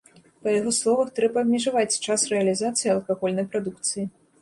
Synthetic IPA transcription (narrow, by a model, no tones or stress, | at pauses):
pɐjaɣɔslˠɔvɐxt̪ɾɛbɐːbʲmʲɛʐavat͡sʲt͡ʂasrɛɐlʲizat̪sɨjiɐlˠkaɣɔlʲnɐjpɾad̪ukt̪sɨji